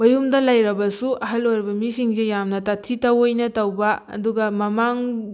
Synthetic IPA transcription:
bɐjumdɐlɐjɾɐbɐsuʔɐɦɐlojɾɐbɐmisiŋsejamnɐtɐtʰːitɐwojnɐtɐwbɐɐ̰duɡɐmɐmaŋ

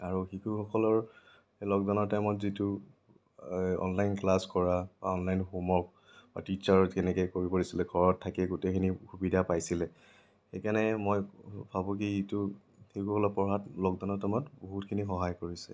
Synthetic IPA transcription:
aɹuxikukʰɔlɔɹ | elɔɡ̚dɔnɔɹtɛmɔtzitu | ɔ̰nlajnklaskɔɹab̥a̰ɔnlajnxumɔk̚ | ba̰tit͡ʃaɹkɛnɛkɛkoɹipoɹisilɛɡʱɔɹɔtʰːakɛɡutekʰinixubidʱapajsilɛ | xekanɛmɔjbʱabũkitu | xiukukʰɔlɔpɔɹɦatlɔɡdɔnɔtɛmɔtboɦutkʰinixɔɦajkoɹisɛ̰

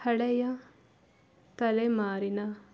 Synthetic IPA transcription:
hɐɽɐjɐ | t̪ɐlemaːɾinɐ

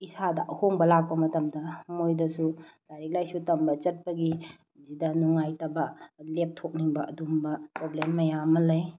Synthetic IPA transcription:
isadɐʔɐhoŋbɐlak̚pɐmɐtɐmdɐmojdɐsudaɾik̚lajsutɐmbɐt͡ʃɐt̚pɐɡi | zidɐnuŋajtɐbɐlep̚tʰok̚niŋbɐɐdumbɐpɾoblemːɐjamɐlɐj

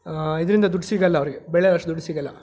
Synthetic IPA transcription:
id̪ɐɾind̪ɐd̪uɖːsiɡɐlːɐːʋɾiɡebɛɭeɐʂʈːɐd̪uɖisiɡɐlːɐ

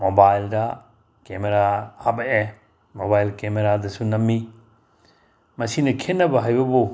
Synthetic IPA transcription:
mobajldɐ | kemeɾahɐbɐʔe | mobajlkemeɾadɐsunɐmːi | mɐsinɐkʰenːɐbɐɦajbɐbu

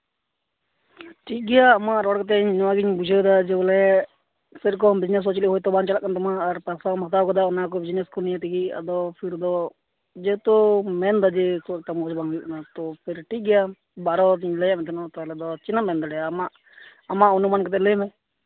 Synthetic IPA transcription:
ʈiɡɛjaːmaʔɾɔɽkɔt̪̬ɛɲnɔaɡiɲbud͡ʒʱad̪ad͡ʒɛlɛ | sɛɾk̬ɔmbid͡ʒnɛs̬ɦɔt͡ʃiliʔɦɔjt̪ɔbant͡ʃalaʔkant̪ɔmaːɾpɛsamɔkt̪ab̚kɔd̪aɔnakɔbid͡ʒnɛskɔnijat̪iɡia̰d̪ɔpʰiɾd̪ɔ | d͡ʒɛt̪ɔmɛnd̪ad͡ʒɛkʰuɛk̚ʈ̪amɔɔd͡ʒbaŋɦujṵʔnat̪ɔpʰɛɾʈiɡɛja | baɾɔɡiɲləjamɛt̪ʰɛnɔt̪ɔɛlɛd̪ɔt͡ʃinamɛnd̪ɔɖɛjamaʔː | maʔɔnumankɔt̪̬ɛlɛmɛ̃

